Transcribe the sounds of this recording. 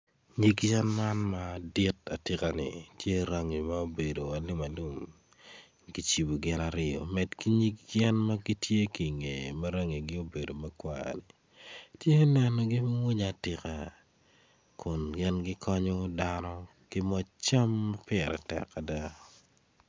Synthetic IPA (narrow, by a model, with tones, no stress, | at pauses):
ɲi˦ɡjɛ˦nma˦nma˦di˦ta˨tɪ˨ka˨nɪ̰˨tje˦ɾa˦ŋi˨ma˦o˦be˨do˨a˨li˦ma˨lu˦m | ɡi˦t͡ʃi˨bu˨ɡɪ˦na˨ɾɪ˦ɔ̰˨mɛ˨tki˦ɲi˦kjɛ˦nma˦ɡi˦tje˦ki˨ŋe˨mɐ˦ɾa˦ŋi˨ɡɪ˦o˦be˨do˨mɐ˦kwa̰˨ni˨ | tje˦nɛ˨nɔ˨ɡɪ˦mŋwi˦ɲa˨tɪ˨ka˨ | kʊ˨nɡɪ˦nɡɪ˦kʰɔɲɔ˦da˦nɔ˦ | kɪ˦mɔ˦t͡ʃa˦mːa˦pɪɛ˨ɾɛ̰˨tɛ̰˨ka˨da˦